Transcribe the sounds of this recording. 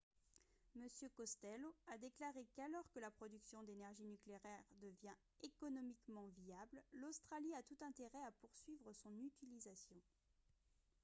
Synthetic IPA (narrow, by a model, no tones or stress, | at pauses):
məsjøkɔst̪ɛload̪eklaʁekalɔʁkəlapχɔd̪yksjɔ̃d̪enɛʁʒinykleʁɛʁd̪əvjɛ̃ | ekɔnɔmikmɑ̃viabllost̪χaliat̪ut̪ɛ̃t̪eʁɛapuʁsɥivʁəsɔ̃nyt̪ilizasjɔ̃